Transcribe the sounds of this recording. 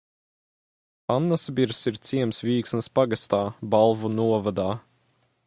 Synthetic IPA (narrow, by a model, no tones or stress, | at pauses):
anːasbiɾsiɾt̪siɛmsvʲiːksnspaɡast̪aːbalˠvunuɔvad̪aː